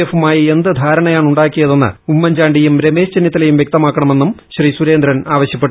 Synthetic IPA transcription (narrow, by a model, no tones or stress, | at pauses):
efumaːjɐe̞nd̪ɨd̪ʱaːɾɐɳɐjaːɳuɳɖaːkːijɐðenːɨ̰umːɐɲd͡ʑaːɳɖijumɾe̞me̞ːɕt͡ɕenjɐt̪ːilejumʋjek̚t̪ɐmaːkːɐɳɐme̞nːumɕriːsuɾe̞ːnd̪ɾɐnaːʋɐɕjɐpːeʈːu